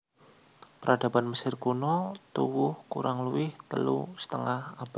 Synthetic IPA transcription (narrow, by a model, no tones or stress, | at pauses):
pəɾʔada̤banməsɪrkunɔt̪uwʊhkuɾaŋluwɪht̪ə̰lṵsə̥t̪əŋahab̥a